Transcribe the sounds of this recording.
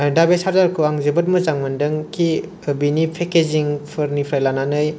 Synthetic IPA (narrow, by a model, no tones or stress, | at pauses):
dabesaɾdaɾkʰɯaŋzebɯt̚mɯzaŋmɯndɯŋkʰi | binipʰekeziŋpʰɯɾnipʰɾajlananɯj